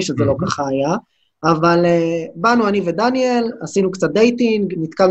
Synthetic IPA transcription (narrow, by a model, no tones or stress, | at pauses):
iʃezelo̞kaχaːjaː | valebanuanived̪anielasinukt͡sat̪̚d̪ejt̪iŋɡnit̪kal